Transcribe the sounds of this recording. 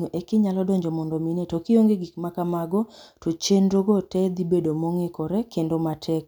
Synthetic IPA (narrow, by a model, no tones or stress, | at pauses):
oʔekɪɲalɔdɔɲd͡ʒɔmɔndɔminɛtokɪoŋɡeɡikmakamaɡɔtot͡ʃendɾoɡɔtɛd̪ibedomɔŋekɔɾɛkendomatʰɛk̚